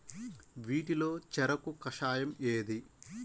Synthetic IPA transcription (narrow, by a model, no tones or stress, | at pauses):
ʋiːʈilo̞ːt͡ʃɛɾɐkukɐʂaːjɐmeːd̪i